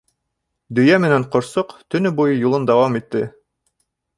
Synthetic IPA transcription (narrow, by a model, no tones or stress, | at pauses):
d̪ɵ̆jæmɘ̆næɴqŏɾsoqt̪ɵ̆nɵbujɤjulˠɤnd̪ɑwɑmit̪ːɘ